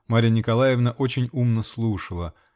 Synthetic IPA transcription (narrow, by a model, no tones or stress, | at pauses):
maɾʲənʲɪkɐlˠajɪvnəʔo̞t͡ɕɪnʲumnəslˠuʂəlˠə